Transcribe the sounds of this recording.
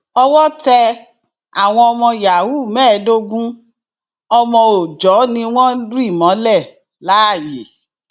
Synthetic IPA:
ɔ˧wɔ˦tɛ˧ | a˨w̃ɔ̃˧ɔ˧mɔ̃˧ja˨wu˦˨mɛː˦˨˦do˦ɡũ˦ | ɔ˧mɔ̃˧o˨d͡ʒɔ˨˦nĩ˧w̃ɔ̃˦di˦˨mɔ̃˨˦lɛ˦˨ | la˨˦a˦˨je˨˦

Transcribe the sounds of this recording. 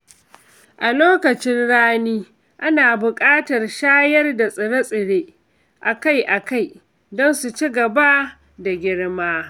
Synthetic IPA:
ʔa˨loː˦kɐ˨t͡ʃɪ˦nɽaː˦niː˦ | ʔa˦naː˨bʊ˨kʼaː˦tɐ˨rʃaː˦jɐ˦rda˨sʼɪ˨ɽɐ˦sʼɪ˨ɽeː˦ | ʔa˨ka˦jʔa˨ka˦˨j | dɔ˦nsu˨t͡ʃi˦ɡɐ˨ba˦ | da˨ɡʲɪ˦ɽmaː˦

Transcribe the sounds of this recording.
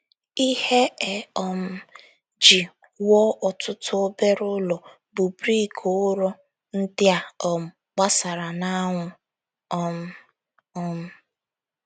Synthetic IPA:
i˦he˦ɛ˨ɔ˨m̩˦ | d͡ʒi˨ | wɔ˦ʔɔ˨tʊ˦tʊ˦o˦be˦ɾʊ˦lɔ˨ | bʊ˨bɾi˦˨kʰo˨˦ɾɔ˦ | n̩˦dɪ˦a˨ɔ˨m̩˨ | k͡pa˦sa˨ɾa˨na˦ŋʷʊ˨ | ɔ˦m̩˦ | ɔ˦m̩˦

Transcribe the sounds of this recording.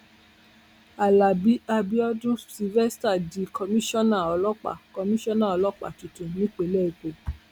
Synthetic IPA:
a˨la˨bi˨˦a˧bi˦ɔ˦dũ˦si˧vɛ˦sta˦˨di˨˦kɔ˧mĩ˦ʃɔ̃˦nã˦˨ɔ˨lɔ˦k͡pa̰˨kɔ˧mĩ˦ʃɔ̃˦nã˦˨ɔ˨lɔ˦k͡pa̰˨tu˨tũ˨nĩ˨˦k͡pe˨lɛ˦˨i˨k͡pe˨

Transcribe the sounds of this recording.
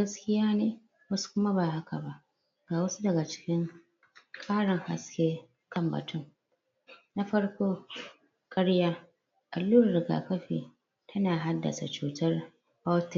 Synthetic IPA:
ɡɐ˦skʲɪ˦jaː˦neː˨ | wɐ˦su̥˦kʷʊ˦ma˦ba˨ha˦kʰa˨ba˦ʔ | ɡaː˨wɐ˦su˦dɐ˨ɡa˨t͡ʃɪ̥˦kʲɪ˦ŋ | kʼaː˦ɽɐ˨ŋha̰˨skʲeː˦ | kɐ˦˨mbɐ̰˨tʊ˦˨ŋ | na˦ɸɐ˦ɽkʷoː˦ | kʼɐ˦ɽjaː˦ | ʔa˨lːuː˦ɽɐ˨rɡa̰ː˨kɐ˦ɸḭː˨ | tʰɐ˦naː˨ɦa˦dːɐ̰˨sa̰˨t͡ʃuː˦tɐ˦r | ha˦tɪ˨

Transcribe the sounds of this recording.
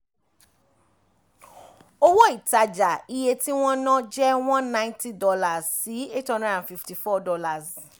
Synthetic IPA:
o˦wɔ˦i˦˨ta˧d͡ʒa˨i˧je˧ti˦w̃ɔ̃˦nã˦d͡ʒɛ˦w̃ɔ̃˦nnːã˦j̃nti˦dɔ˧la˨zsi˨˦e˦tɔ̃˦nda˦˨ã˨fi˧fti˨fɔ˦˨dɔ˧la˨z

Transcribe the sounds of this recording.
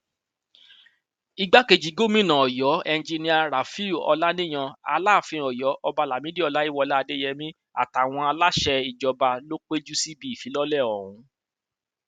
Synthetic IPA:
i˧ɡ͡ba˦ke˧d͡ʒi˨˦ɡo˦˨mĩ˦nã˨ɔ˨jɔ˨˦ɛ˧n˦d͡ʒi˧nĩ˦a˧ɾa˨fi˦u˨ɔ̰˧la˦nĩ˦˨j̃ã˧a̰˧laː˦˨fĩ˧ɔ˨jɔ˨˦ʔɔ˧ba˧la˨mĩ˨˦di˦ɔ˧la˦i˦wɔ˧la˦a˧de˦jɛ˧mĩ˦ | a̰˨ta˨w̃ɔ̃˧a˧la˦ʃɛ˧i˨d͡ʒɔ˧ba˧lo˦k͡pe˦d͡ʒu˦si˦bi˦i˨fi˨˦lɔ˦lɛ˦˨ɔ˨ɾ̃ũ˨˦

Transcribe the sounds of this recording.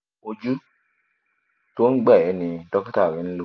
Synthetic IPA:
o˨d͡ʒu˦ | to˦n˦ɡ͡bɛ˦˨ɛ˨˦ni˨dɔ˦kta˦˨ɡɛ˨˦n˦l

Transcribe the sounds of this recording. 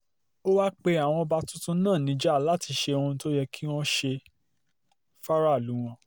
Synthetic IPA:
o˦wa˦k͡pe˧a˨w̃ɔ̃˧ba˦tũ˦tũ˦nãː˦˨nĩ˨˦d͡ʒɛ˦a˦˨la˦˨ti˨˧˦ʃe˧o˧ũ˧˦to˦jɛ˧ki˦w̃ɔ̃˦ʃe˧ | fa˦ɾa˦˨lu˨˦w̃ɔ̃˧

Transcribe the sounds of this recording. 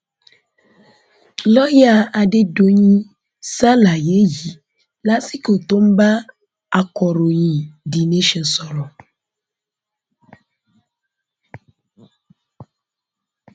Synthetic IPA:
lɔ˦ja˦a˨ɖe˨do˨ɲĩ˦ | sa˦la˨je˨˦ji˨ | la˦si˦ko˨t̪o˦m̩˦ba˦ | a˨kɔ˨ɾo˨ɲĩ˨di˨nẽ˨˦ʃɛ˨nsɔ˨ɾɔ˨

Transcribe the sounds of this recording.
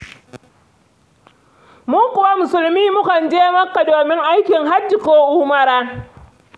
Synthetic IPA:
mʊ˦ŋkʷʊ˨wa˦mʊ˨sʊ˨lmiː˦mʊ˦kɐ˨nd͡ʒeː˦mɐ˦kːa˨doː˨mɪ˦ŋʔa˦jkʲɪ˨ŋɦa˦d͡ʒɪ˨koː˦ʔuː˦mɐ˦˨ɾaː˦

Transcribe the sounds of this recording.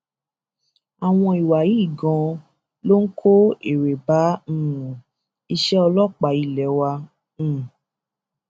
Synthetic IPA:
a˨w̃ɔ̃˧i˨wa˨ji˨˦i˦˨ɡɔ̃˧ | lo˦ŋ̩˦kʰo˦e˨ɾe˨ba˨˦ñ̩˦˨ũ˨ | i˧ʃɛ˦ɔ˧lɔ˦˨k͡pa˨˦i˦˨lɛ˨˦wã˧˦˨

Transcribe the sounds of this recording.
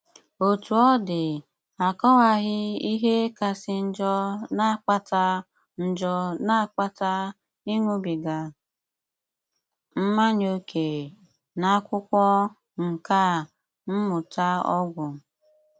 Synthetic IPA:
o˨tu˨ɔ˦dɪ˨ | a˨kɔ˦wa˨ɣɪ˦i˦ɦe˦ka˨sɪ˨n̩˦d͡ʒɔ˦na˦k͡pa˦ta˦ | n̩˨d͡ʒɔ˦na˦˨k͡pa˦ta˦ | i˦ŋʷu˦bi˨ɡa˨ | m̩˦ma˦ɲo˦kʰe˨ | na˨˦kʷʊ˦kʷɔ˦ | ŋ̩˨ka˦˨ | m̩˦mʊ˨ta˦ɔ˦ɡʷʊ˨

